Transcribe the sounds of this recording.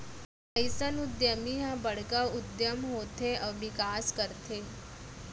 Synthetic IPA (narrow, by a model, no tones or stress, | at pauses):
əjsənud̪jəmiɦãbəɽkaud̪jəmɦot̪ʰːeʔəʋikaskəɾt̪ʰe